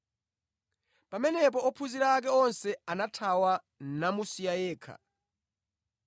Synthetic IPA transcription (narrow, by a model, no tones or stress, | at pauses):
pamɛnɛp̬ɔɔpʰuziɾak̬ɛɔnsɛanatʰawa | namusijajɛːkʰa̰